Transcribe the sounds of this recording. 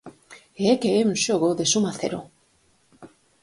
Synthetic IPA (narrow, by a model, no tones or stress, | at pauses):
eekeeunʃoɣoðesumaθḛɾo̰